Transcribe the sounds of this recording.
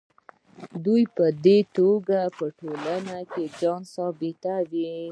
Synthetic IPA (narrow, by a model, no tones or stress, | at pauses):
d̪ujpəd̪et̪oɡapəʈolanaked͡ʒɑnsɑbɪt̪awi